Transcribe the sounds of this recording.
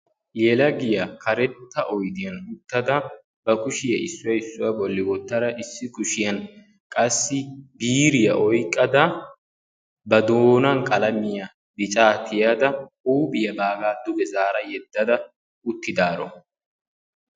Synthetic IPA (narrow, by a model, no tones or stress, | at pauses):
jɛlɐɡɪjɐkʰɐɾɛt̪ʰːɐʔɔjd̪ɪjɐnʊt̪ːɐd̪ɐ | bɐkʊʃɪjɐʔɪsːʊjɐɪsːʊjɐbɔlːɪwɔt̪ːɐd̪ɐʔɪsːɪkʊʃɪjɐn | kʼɐsːɪbiːɾɪjɐʔɔjkʼːɐd̪ɐ | bɐd̪oːnɐnkʼɐlɐmɪjɐ | bɪt͡ʃʼaːt̪ʰɪjɐd̪ɐʔuːbɪjɐbaːɡaːd̪ʊbɛzaːɾɐjɛd̪ːɐd̪ɐ | ʊt̪ːɪd̪aːɾɔ̰